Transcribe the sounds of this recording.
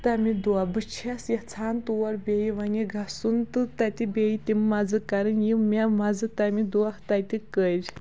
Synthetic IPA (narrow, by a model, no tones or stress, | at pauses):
t̪amid̪uabɨt͡ʃʰasjat͡sʰant̪uwɐɾbʲejiʋaniɡʱasunt̪ɨt̪at̪ʲibʲejit̪ʲimːad͡zɨkaɾɨnjimʲamad͡zɨt̪amid̪uaht̪at̪ikəɾʲ